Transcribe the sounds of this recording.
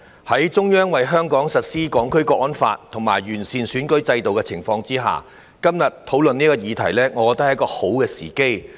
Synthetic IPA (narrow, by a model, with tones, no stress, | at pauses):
hɐ˨˥jt͡sʊ˥ŋjœː˥ŋwɐ˨jɦœː˥ŋkɔː˨˥ŋsɐ˨t̚siː˥kɔː˨˥ŋkʰɵ˥ɥkɔː˧˥ʔɔː˥nfa̰ː˧t̚t̪ʰʊ˨˩ŋma̰ː˨˩jɥyː˨˩nsiː˨nsyː˨˥nkɵ˧˥ɥt͡sɐ˧jt̪o˨wkɛ˧t͡sʰɪ˨˩ŋfɔː˧ŋt͡siː˥ɦa̰ː˨ | kɐ˥mjɐ˨t̪ʰo˨˥wlɵ˨niː˥kɔː˧jiː˨˧t̪ʰɐ˨˩jlɛː˥ŋɔː˨˧kɔː˧t̪ɐ˥hjɐ˥kɔː˧ho˨˥wkɛː˧sḭː˨˩ke˥j